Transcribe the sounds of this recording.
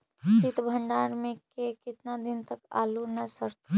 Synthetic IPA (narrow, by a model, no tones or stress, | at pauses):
sit̪bʱə̃ɳɖaːɾmẽkekɪt̪nad̪ɪnt̪əka̰ːlunəsəɾt̪a